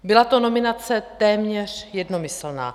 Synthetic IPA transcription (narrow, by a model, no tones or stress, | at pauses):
bɪlat̪o̞no̞mɪnat͡sɛt̪ɛːmɲɛr̝jɛdnomɪsl̩na̰ː